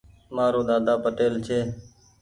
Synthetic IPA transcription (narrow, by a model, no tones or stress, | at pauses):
maːɾoːɗ̪aːd̪aːpəʈeːlt͡ʃʰeː